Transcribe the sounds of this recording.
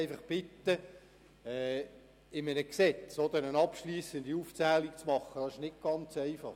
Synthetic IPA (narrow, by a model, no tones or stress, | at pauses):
ɪfɑχb̥ɪt̪ːə | ɛː | ɪmənəksɛt͡sod̪əɾənɑpʃliːsənd̪iuːft͡sæːlikt͡smɑχəd̥ɑɪʃnɪk̚ɡ̥ɑnt͡sɛɪfɑχ